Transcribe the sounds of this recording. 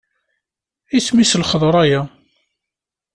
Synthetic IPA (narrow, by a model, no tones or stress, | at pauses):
ismislχəðˤɾˤæjæ